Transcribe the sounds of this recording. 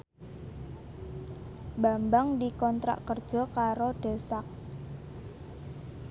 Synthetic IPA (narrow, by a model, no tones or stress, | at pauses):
bambaŋdikɔnt̪ɾa̰ʔkərd̥ʒ̥ɔ̤kaɾoɖ̥ɛ̤sak̚